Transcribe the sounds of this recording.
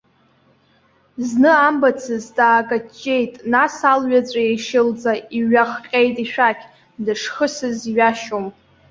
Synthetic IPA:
znɨambat͡sʰɨzdaːɡʼat͡ʃʼːe̞jtʼnasalɥat͡sʷʼajeʃɪld͡zaiɥaχqʲʼe̞jtʼiʃᶣakʲʰ | dɨʂχəsɨziɥaʃom

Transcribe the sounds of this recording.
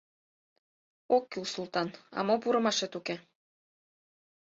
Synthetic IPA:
okːulsult̪ɑnɑ̰mopuɾɤ̆mɑʃet̪uke

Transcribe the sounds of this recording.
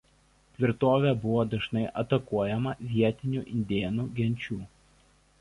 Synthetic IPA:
t̪ʲʋʲɪɾt̪oːʋʲɛːˑbʊʋoːd̪ɐʒnɐɪʔɐt̪ɐkuɔjɛmɐʋʲiɛt̪ʲɪnʲuˑʔɪnʲd̪ʲeːnuːɡʲɛnʲˑt͡ʃʲuː

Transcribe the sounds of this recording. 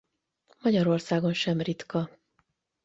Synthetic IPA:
mɒɟɒɾo̞rsaːɡo̞nʃɛmrit̪kɒ

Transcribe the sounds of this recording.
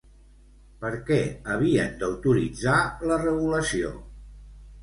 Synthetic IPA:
pəɾkɛəβ̞iə̰nd̪əwt̪uɾid͡zalərəβuləsio̰

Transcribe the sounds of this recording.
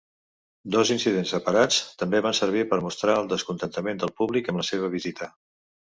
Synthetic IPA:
d̪ɔzinsiðensəpəɾat͡st̪əmbeβansəɾβipəɾmust̪ɾaəlˠd̪əskunt̪ənt̪əmend̪əlˠpuβlikəmləseβ̞əβ̞izit̪ʰə

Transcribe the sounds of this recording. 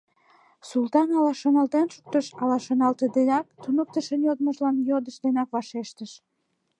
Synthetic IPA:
sult̪ɑnɑlɑʃonɑlt̪enʃu̥k̚t̪əʃɑlɑʃonɑlt̪əd̪enɑk̚t̪unok̚t̪əʃənjod̪məʒlɑnjod̪əʃd̪enɑkβɑʃeʃt̪əʃ

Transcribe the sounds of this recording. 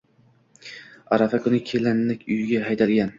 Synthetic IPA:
a̰ɾafakʰʊnɪkʲʰelanlɪkʲʰʊjɡʲaɦajt̪ʰalɡʲan

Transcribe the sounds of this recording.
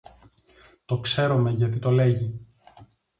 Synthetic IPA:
t̪o̞kse̞ɾome̞ʝɐt̪̬it̪o̞le̞ʝi

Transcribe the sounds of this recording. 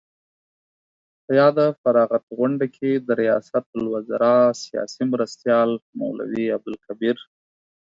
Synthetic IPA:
pəjɑd̪əfaɾɑɣat̪ɣʊɳɖakʰed̪əɾijɑ̰sat̪̚lwazaɾɑsijɑ̰simɾast̪jɑlma̰wla̰wiab̚d̪ʊlkabiɾ

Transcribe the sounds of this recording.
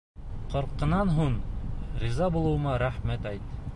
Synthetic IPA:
qŏɾqːɤ̆nɑnɦuɴɾizɑbulˠɤ̆wɤ̆mɑɾæχmæt̪æjt̪

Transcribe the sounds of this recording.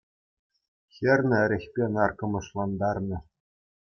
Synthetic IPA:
xʲɘ̆rʲnʲɘ̆ɘ̆ɾʲɘ̆xʲpʲenɑrkɤ̆mɤ̆ʂlˠɑnd̪ɑrnɤ̆

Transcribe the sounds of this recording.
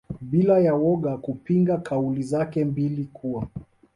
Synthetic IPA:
ɓilajawɔɠakupiŋɡakʰaulizakɛmbilikʰuwa

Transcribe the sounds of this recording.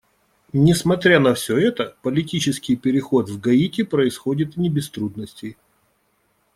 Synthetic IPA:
nʲɪsmɐt̪ɾʲanɐfsʲɵ̞ɛt̪əpəlʲɪtʲit͡ɕɪskʲɪjpʲɪɾʲɪxo̞t̪vɡɐitʲɪpɾəɪsxo̞dʲɪt̪nʲɪbʲɪst̪ɾud̪nəsʲtʲɪj

